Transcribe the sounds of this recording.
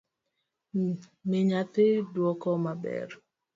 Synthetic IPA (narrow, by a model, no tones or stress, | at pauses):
mɪɲat̪ɪdwɔkɔmabɛ̰r